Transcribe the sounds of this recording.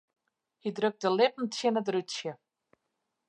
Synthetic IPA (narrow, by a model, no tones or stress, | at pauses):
hidrɵk̚t̚dəlɪpən̩tsɪnətrytsjə